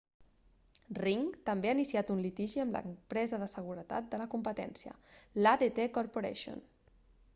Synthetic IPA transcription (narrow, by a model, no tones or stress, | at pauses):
riŋt̪əmbeainisiat̪unlit̪iʒiəmlə̰mpɾɛzəðəsəɣ̞uɾət̪a̰t̪̚d̪ələkumpət̪ɛ̰nsiə̰laðet̪ekoɾpuɾḛʃo̰n